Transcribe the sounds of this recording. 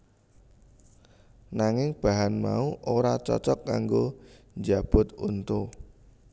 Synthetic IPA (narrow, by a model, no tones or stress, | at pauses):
naŋɪŋb̥a̤ɦanma̰uʔoɾat͡ʃɔ̰t͡ʃɔkːaŋɡo | ɲd͡ʒab̥ʊt̪unt̪o